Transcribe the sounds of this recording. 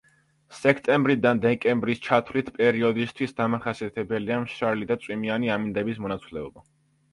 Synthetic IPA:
sɛkʰt̪ʼɛmbɾid̪and̪ɛkʼɛmbɾist͡ʃʰat̪ʰvlit̪ʰpʼɛɾiɔd̪ist̪ʰwisd̪amaχasiat̪ʰɛbɛliamʃaɾlid̪at̪sʼwimianiamind̪ɛbismɔnat̪sʰlɛɔba

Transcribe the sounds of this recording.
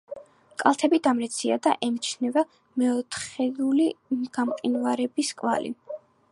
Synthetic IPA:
kʼalˠt̪ʰɛbid̪amɾɛt̪sʰiad̪a̰ʔɛmt͡ʃʰnɛva | mɛɔt̪ʰχɛd̪uliɡ̥amqʼinvaɾɛbiskʼva̰lḭn

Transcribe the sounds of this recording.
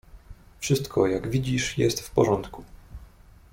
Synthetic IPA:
fʂɘst̪kʰɔjaɡvʲid͡ʑiʂjɛst̪fpɔʐɔnt̪ku

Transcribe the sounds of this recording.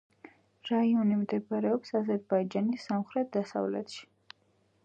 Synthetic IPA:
ɾaiɔnimd̪ɛbaɾɛɔpsazɛɾbaid͡ʒanisːamχɾɛt̪̚d̪asa̰vlɛ̰t̪ʃi̥

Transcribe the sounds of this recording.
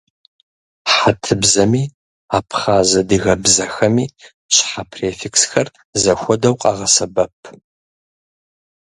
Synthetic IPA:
ħatʰɨbzɐmiː | aːpʰχaːzɐdɨɣɐbzɐxɐmiː | ɕħapʰreːfiksxɐr | zɐxʷɔdɐwqʼɑʁɐsɐbɐpʰ

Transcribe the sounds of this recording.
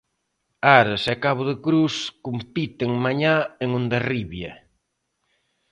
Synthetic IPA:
aɾesɛkaβʊðɪkɾuskompit̪eŋmaɲaeŋũnd̪ɐriβjɐ̰

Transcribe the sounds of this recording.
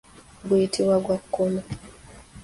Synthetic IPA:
ɡujitʰiwaɡwakːona

